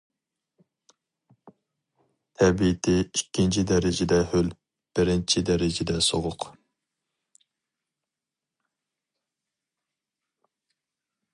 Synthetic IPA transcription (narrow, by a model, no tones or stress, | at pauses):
t̪ʰɛbit̪ʰɪikʲːint͡ʃʰid̪ɛɾɪd͡ʒɪd̪ɛhøl | b̥ɪɾɪnt͡ʃʰid̪ɛɾɪd͡ʒɛd̪ɛsoʁʊq